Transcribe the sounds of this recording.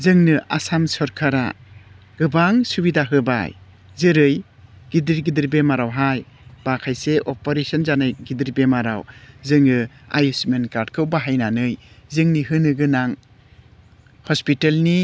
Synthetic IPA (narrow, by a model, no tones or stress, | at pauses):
zɯŋnɯasamsɔɾkʰaɾa̰ | ɡ̥ɯbaŋsubidaɦɯba̰j | zɯɾɯj | ɡ̥idiɾɡidiɾbemaɾawɦaj | bakʰajseʔɔpɔɾesɔnzanajɡidiɾbemaɾa̰wzɯŋɯa̰jusmenkaɾdkʰɯwbaɦajnanɯjzɯŋnihɯnɯɡɯnaŋ | hɔspitelni